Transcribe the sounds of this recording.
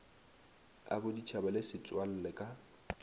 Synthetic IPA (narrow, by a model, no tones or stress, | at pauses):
a̰bʊdit͡ʃʰabalɪsɪt͡sʼwal̩lɛkʼa